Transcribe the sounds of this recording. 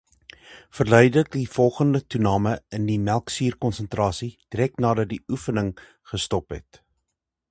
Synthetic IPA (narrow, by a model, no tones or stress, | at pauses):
fərlœɥdlək̚difɔlˠχəndətunɑːməəndimælˠksiːrkɔnsəntrɑːsid̥iɾɛknɑːdɐt̚diʔufənəŋ | χəstɔpɦɛ̰t